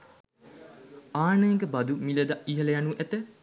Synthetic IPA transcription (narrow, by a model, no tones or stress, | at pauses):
aːnəjeŋɡəbad̪umiləd̪aʔiɦələjanuʔæt̪ə